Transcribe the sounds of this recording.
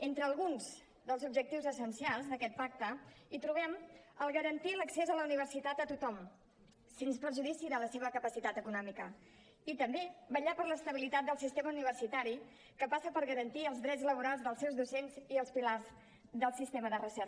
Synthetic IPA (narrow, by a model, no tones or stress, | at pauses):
ent̪ɾəːlˠɣunz | d̪əlˠzubʒək̚t̪iwzəsənsialˠzðəkɛt̪̚pak̚t̪əit̪ɾuβ̞ɛməlˠɣəɾənt̪iləksezələuniβ̞ərsit̪at̪ət̪ut̪ɔm | senspəɾʒuðisiðələseβəkəpəsit̪at̪əkunɔmikə | it̪əmbeβəʎapəɾləst̪əβ̞ilit̪at̪̚d̪əlˠsist̪eməuniβ̞ərsit̪aɾi | kəpasəpəɾɣəɾənt̪iəlˠzðɾɛtd͡zzləβ̞uɾalˠzðəlˠsewzðusenziəlˠspilarz | ðəlˠsist̪eməðərəsɛɾ